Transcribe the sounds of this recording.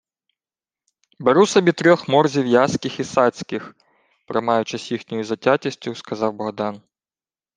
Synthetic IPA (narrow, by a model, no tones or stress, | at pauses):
beɾusɐbʲit̪ɾʲɔxmɔrzʲiwjaskɪxisɑsʲkɪx | pɾɪmɑjʊt͡ʃɪsʲjixnʲɔjʊzɐtʲatʲisʲtʲʊskɐzɑwbɐɦd̪ɑn